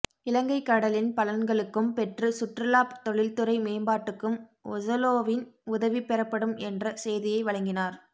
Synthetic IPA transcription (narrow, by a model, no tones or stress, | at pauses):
ɪlɐŋɡɐɪkːɐɽɐlɪnpɐlɐnɡɐɭɯkːɯmpɛʈrɯsʊʈrɯlaːpt̪ɔɭɪlt̪ɯɾɐɪmeːmbaːʈːɯkːɯmɔ̰zɐloːʋɪnʊðɐʋipɛɾɐpːɐɽɯmɛndrɐsɛjðɪjɐɪʋɐɭɐŋɡɪnaːɾ